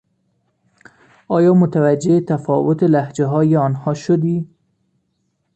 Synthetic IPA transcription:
ɒjɒmʊt̪awad͡ʒeːt̪afɒwʊt̪ɪlahd͡ʒaɦɒjeɒnhɒʃʊd̪i

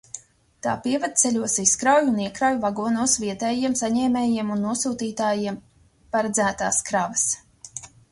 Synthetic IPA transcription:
t̪aːpiɛvad̪̚t̪seʎʲuɔsiskɾawjuniɛkɾawjuvaɡuɔnuɔsviɛt̪ɛːjiɛmsaɲɛːmɛːjiɛmunːuɔsuːt̪iːt̪aːjiɛm | paɾɛd̪zæːt̪a̰ːskɾavɐs

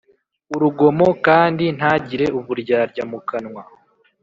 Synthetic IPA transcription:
uɾuɡo̞mo̞kaːndin̥haːɟiɾe̞ʔuβuɾɟaɾɟamukanŋwa

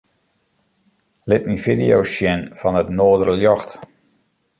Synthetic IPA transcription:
lɪtnifidijoʃjɛnfɔnətnoːdərəljɔxt

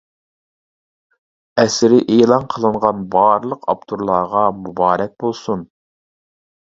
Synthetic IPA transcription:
ɛsɾɪʔeːlˠɑnqʰəlˠɨɴʁɑnbɑːɾlˠəqʰɑ̰pt̪ʰuɾlˠɑʁɑmubɑːɾɛk̚ʲbolˠsun

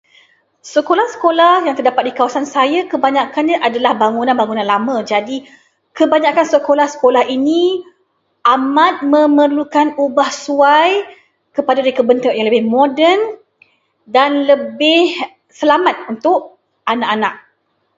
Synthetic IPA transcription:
səkolahsə̥kolahjaŋt̪ərdapat̪̚dikawasansajakəbaɲakanɲaʔadalahbaŋunanbaŋunãnlamə̃d͡ʒadi | kəbaɲakansəkolahsə̥kolahini | ʔamat̪̚mə̃mərlukanubahsuaj | kəpadadaɾikəbənt̪əʔjaŋləbɪhmodɛn | danləbɪh | səlamat̪̚unt̪ʊʔ | ʔanaʔanaʔ̚

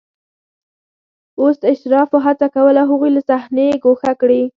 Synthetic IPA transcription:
osɪʃt̪ɪɾɑfoɦat͡sakawəlaɦəɣujlasahneɡoxakɽi

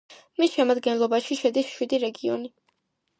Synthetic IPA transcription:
misʃɛmad̪ɡɛnlˠɔbaʃiʃɛd̪isʃwid̪iɾɛɡiɔni

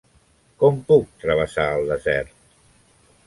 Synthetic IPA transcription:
kɔmpuk̚t̪ɾəβ̞əsaəlˠd̪əzɛɾt̪

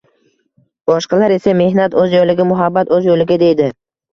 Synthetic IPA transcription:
b̥ɒʃqɑlaɾe̞same̞hnat̪ɵzjolɪɡʲamʊɦabːat̪ɵzjolɪɡʲad̪e̞jd̪ɪ

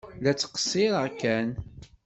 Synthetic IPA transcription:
læt͡sːə̥qsːiɾəkːæn

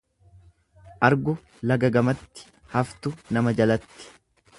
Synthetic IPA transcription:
ʔɐɾɡʊ | lɐɡɐɡɐmɐt̪ːɪ̥ | hɐft̪ʊnɐmɐd͡ʒɐlɐt̪ːɪ̥

